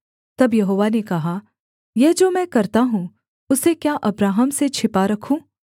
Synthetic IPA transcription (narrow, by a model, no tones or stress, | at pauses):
t̪ɐbjɐɦoːʋanekɐɦa | jɛɦd͡ʒoːmɛ̃ːkɐɾt̪aɦũː | ʊsekjaʔɐbɾaːɦəmset͡ʃʰɪpaɾɐkʰũː